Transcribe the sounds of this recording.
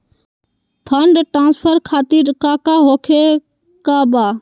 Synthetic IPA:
pʰəɳɖʈɾãːnspʰəɾkʰaːt̪iːɾkaːkaːɦoːkʰeː | kaːbaː

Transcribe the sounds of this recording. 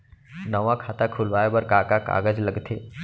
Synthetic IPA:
nɐʋakʰaːt̪akʰʊlʋaːebəɾkaːkaka̰ːɡəd͡ʒləɡt̪ʰeː

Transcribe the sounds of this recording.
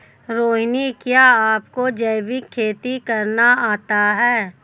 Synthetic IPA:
ɾoːɦnikjaːaːpkod͡ʒɐɪbɪkʰːeːt̪ikɐɾnaaːt̪aɦɛː

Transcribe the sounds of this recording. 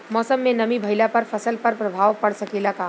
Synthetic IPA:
mɔːsəmːẽnɐmibʱɐɪlapɐɾfʰɐsəlpɐɾpɾɐbʱaːʋpɐɽsɐkelakaː

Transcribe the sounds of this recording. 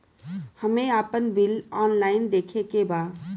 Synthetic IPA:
hɐmẽaːpənbɪlɔːnlaːɪnd̪eːkʰekebaː

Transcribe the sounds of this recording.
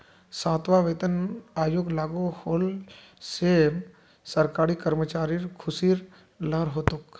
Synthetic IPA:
sãːt̪ʋaːʋeːt̪ənaːjoɡlaːɡohoːl | sem | səɾkaːɾiːkəɾmət͡ʃaːɾiɾkʰʊsiːɾ | ləɾɦoːt̪ʊk

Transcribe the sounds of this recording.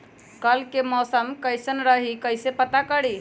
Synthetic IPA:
kəlkemɔsəmkəjsənɾəɦikəjsepət̪akəɽi

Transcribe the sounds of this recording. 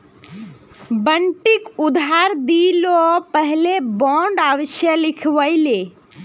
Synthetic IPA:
bəɳʈikud̪ʱaɾd̪ilopəɦlebɔ̃ɳɖaʋəʃjəlikʰʋəɪle

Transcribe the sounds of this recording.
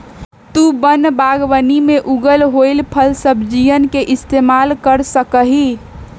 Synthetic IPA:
t̪ubənbaːɡwənimẽʔuɡəlɦoilpʰəlsəbʱd͡ʒijənkeʔɪst̪eːmaːlkəɾsəkəɦi

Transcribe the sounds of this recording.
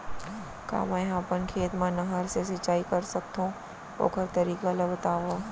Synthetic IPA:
ka̰ːmãɦãːpənkʰeːt̪mãnɐɦəɾses̬ɐt͡ʃːaːikɐɾsɐk̚t̪ũ | o̰ːkʰəɾt̪ɐɾiːkalɐbɐt̪aːʋoː

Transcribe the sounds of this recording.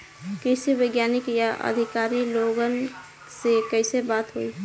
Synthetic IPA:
kəɪsebəɪɡjanɪkjaʔə̰d̪ʱikaɾiloɡən | sekəɪsebat̪ɦoi

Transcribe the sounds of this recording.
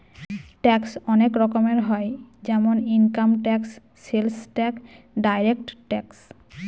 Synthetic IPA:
ʈɛksɔnekɾɔkomeɾɦɔed͡ʑɛmoniŋkamʈɛksː | elsʈɛk | ɖajɾekʈʈɛks

